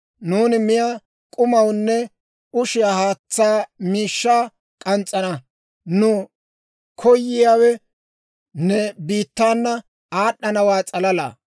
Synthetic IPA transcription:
nuːnɪmɪja | kʼʊmɐwnːɛ | ʊʃɪjaːhaːt͡sːaːmiːʃːaː | kʼɐnt͡sʼːɐnɐ | nʊ | kʰɔjːɪjaːwɛ | nɛbiːt̪ːaːnːɐ | aːɗːɐnɐwaːt͡sʼɐlɐla̰ː

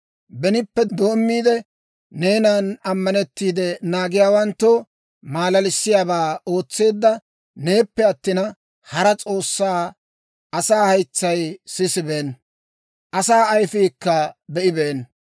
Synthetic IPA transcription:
bɛnɪpːɛd̪o̞ːmːiːd̪ɛ | ne̞ːnanɐmːɐnɛt̪ːiːd̪ɛnaːɡɪjaːwɐnt̪ːo | maːlɐlɪsːɪjaːbaːo̞ːt͡sːe̞ːd̪ːɐ | ne̞ːpːɛɐt̪ːɪnɐ | hɐɾɐt͡sʼo̞ːsːaː | ɐsaːhɐjt͡sːɐjsɪsɪbe̞ːn | ʔɐsaːɐjfɪːkːɐbɛʔɪbeːn

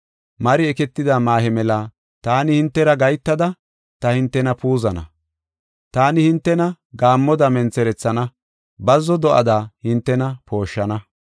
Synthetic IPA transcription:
mɐɾɪɛkɛt̪ːɪd̪aːmaːhɛmɛlɐ | t̪aːnɪhɪnt̪ːɛɾɐɡɐjt̪ːɐd̪ɐ | t̪ɐhɪnt̪ːɛnɐpuːzɐnɐ̰ | t̪aːnɪhɪnt̪ːɛnɐ | ɡaːmːɔd̪ɐmɛnt͡sɛɾɛt͡sːɐnɐ | bɐzːɔd̪ɔʔɐd̪ahɪnt̪ːɛnɐpʰo̞ːʃːɐnɐ

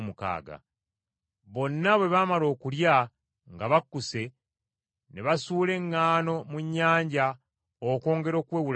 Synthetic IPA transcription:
muka̰ːɡa̰ | βo̞nːaβwe̞βamalo̞ːkulja | ŋɡaβakːuse̞ | neβasuːle̞ŋːaːno̞muɲːaːɲɟa | oko̞ːŋɡe̞ɾo̞ːkweːwul

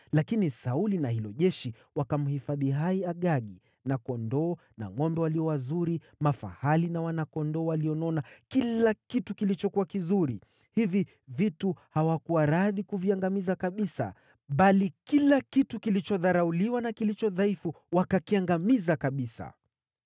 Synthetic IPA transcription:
lakinisaulinahilɔʄɛʃi | wakam̩hifaðiɦaiaɠaɠi | nakɔndɔː | na̰ŋɔmbɛwaliɔwazuɾi | mafa̰halinawanakɔndɔːwaliɔnɔnakilakitukilit͡ʃɔkuwakizuɾi | hivi | vituhawakuwaɾaðikuviaŋɡamizakaɓisa̰ | ɓalikilakitukilit͡ʃɔðaɾauliwanakilit͡ʃɔðaifu | wakakiaŋɡamizakaɓisa̰

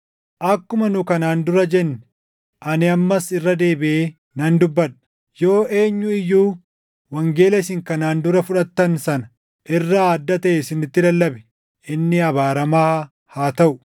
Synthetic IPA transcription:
ʔɐkːʊmɐnʊkɐnaːnd̪ʊɾɐd͡ʒɛnːɛ̥ | ʔɐnɪɐmːɐsɪrːɐd̪e̞ːbɪʔeː | nɐnd̪ʊbːɐᶑɐ̥ | jo̞ːʔe̞ːɲːʊɪjːuː | wɐŋɡeːlɛsɪŋkɐnaːnd̪ʊɾɐfʊᶑɐt̪ːɐnsɐnɐ̥ | ʔɪrːaːd̪ːɐt̪ɐʔesɪnːɪt̪ːɪlɐlːɐbɛ̥ | ʔɪnːɪɐβaːɾɐmaː | haːt̪ɐʔʊ̥

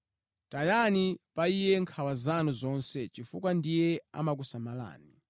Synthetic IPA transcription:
tajanipaijɛŋkʰawazanuzɔnsɛt͡ʃifukwandijɛa̰mak̬usamala̰ːni

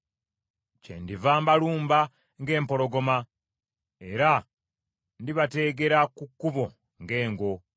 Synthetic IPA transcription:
cḛndivaːmbaluːmba | ŋɡe̞ːmpo̞lo̞ɡo̞ma | e̞ɾa | ndiβate̞ːɡe̞ɾakukːuβo̞ | ŋɡe̞ːŋɡo̞

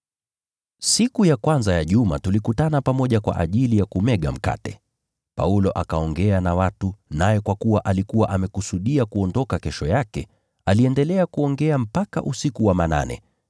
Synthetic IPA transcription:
sikujakwanzajaʄumatulikutanapamɔʄakwa̰ʔaʄilijakumɛɠa̰m̩ka̰tɛ | pa̰ulɔʔakaɔŋɡɛanawatunajɛkwakuwaʔalikuwaʔamɛkusuɗiakuɔndɔkakɛʃɔjakɛ | aliɛndɛlɛakuɔŋɡɛam̩paka̰ʔusikuwamana̰nɛ̰

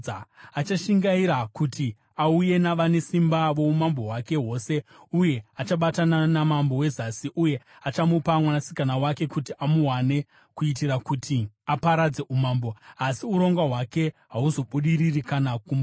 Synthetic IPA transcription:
at͡ʃaʃiŋɡaiɾakuti | auje̞naʋane̞simbaʋo̞umambo̞ɦwake̞ɦo̞se̞ | uje̞at͡ʃaɓatananamambo̞we̞zasiʔuje̞ | at͡ʃamupamwanasi̥kanawake̞kutiʔamuɦwane̞ | kuitiɾakutʰiapaɾad͡ze̞ʔumaːmboasiuɾo̞ŋɡwaɦwake̞ɦauzo̞ɓuɗiririkanakuma

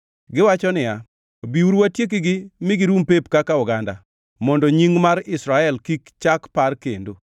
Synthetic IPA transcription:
ɡɪwat͡ʃɔnɪja | biuɾwatjek̬iɡɪmɪɡɪɾumpepkakaʊɡanda | mɔndɔɲiŋmaɾɪsɾaɛlkikt͡ʃakparkḛndo

